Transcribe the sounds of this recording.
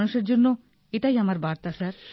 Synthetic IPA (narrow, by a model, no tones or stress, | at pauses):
nuʃeɾd͡ʑonːo | eʈajamaɾbaɾt̪asaɾ